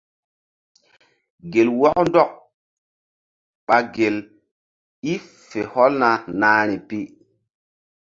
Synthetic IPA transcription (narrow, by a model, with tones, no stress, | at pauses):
ɡe˨lwɔ˦k̚ndɔ˦k̚ | ɓa˨ɡe˨l | i˦ | fe˨hɔ˦lna˨naː˨˦ɾ̃i˨pi˦